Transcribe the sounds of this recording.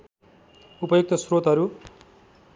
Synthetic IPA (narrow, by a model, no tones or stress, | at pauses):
upʌjok̚t̪ʌsrot̪ɦʌɾu